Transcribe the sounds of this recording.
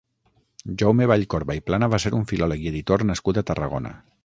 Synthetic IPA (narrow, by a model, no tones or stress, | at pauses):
ʒowmeβ̞aʎkoɾβaiplanəβaseɾuɱfilɔləkieðit̪ornəskut̪ət̪ərəɣ̞o̰nə̰